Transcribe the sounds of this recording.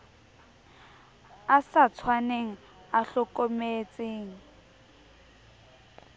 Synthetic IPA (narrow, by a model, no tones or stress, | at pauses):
asat͡sʰwaneŋ̩ | aɬɔkʼomet͡sʼeːŋ̩